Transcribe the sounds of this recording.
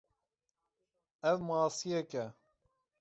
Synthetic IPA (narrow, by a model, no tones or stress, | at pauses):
ɛvmɑːsijɛkɛ